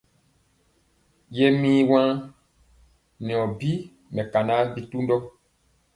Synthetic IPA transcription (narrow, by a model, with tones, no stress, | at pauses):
je˦mĩː˦wã˦ | nɛ̃˨ɔ̃˨bi˦ | mɛ̃˨ka˨na˦bi˦tu˦ndɔ˦